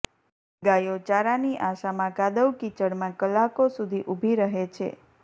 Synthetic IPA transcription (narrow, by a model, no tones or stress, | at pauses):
ɡajot͡ʃaɾaniʔaʃamãkad̪əwkit͡ʃəɽmãkəlːakosud̪ʱiʔubʱiɾəɦet͡ʃʰḛ